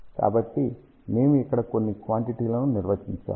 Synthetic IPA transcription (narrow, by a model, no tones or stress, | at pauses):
ka̰ːbɐʈːi | me̞ːmuɛkːɐɽɐko̞nːikʋaːɳʈiʈiːlɐnuniɾʋɐt͡ʃiɲt͡ʃa̰ːm